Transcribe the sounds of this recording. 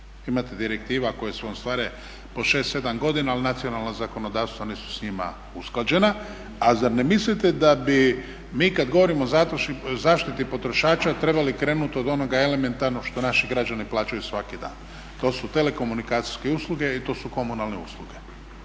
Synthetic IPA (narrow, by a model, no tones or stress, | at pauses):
imat̪ed̪iɾek̚t̪iːʋako̞jesʋoomst̪ʋaːɾe | po̞ʃe̞ːst̪se̞d̪amɡo̞d̪inaːlinat̪sio̞nalˠnazako̞no̞d̪aːʋst̪ʋaniːsu̥sɲima̰ | usklˠad͡ʑe̞na | azabnemislit̪ed̪abi | miːkad̪ɡo̞ʋoɾimozaːt̪ɾoʃzaːʃt̪it̪ipo̞t̪ɾo̞ʃaːt͡ʃat̪ɾe̞balikɾe̞ːnut̪od̪o̞no̞ɡae̞le̞me̞nt̪aɾnoʃt̪o̞naʃiɡɾad͡ʒaniplˠaːt͡ʃajusʋakid̪a̰ːn | t̪o̞ːsut̪e̞le̞ko̞munikaːt̪si̥skeuːslˠuɡe̞it̪o̞ːsuko̞munalˠneṵːslˠuɡe̞